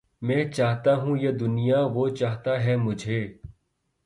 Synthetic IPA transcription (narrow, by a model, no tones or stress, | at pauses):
mɛ̃ːt͡ʃaːɦt̪aɦũjed̪ʊnijaʋot͡ʃaːɦt̪aɦɛmʊd͡ʒʱeː